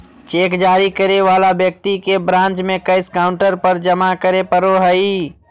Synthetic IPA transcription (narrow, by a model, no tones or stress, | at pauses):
t͡ʃeːkd͡ʒaːɾikəɾeʋaːlabjək̚t̪ikebɾãːnt͡ʃmẽkəɪskaːʊ̃ɳʈəɾpəɾd͡ʒəmakəɾepəɾoɦəi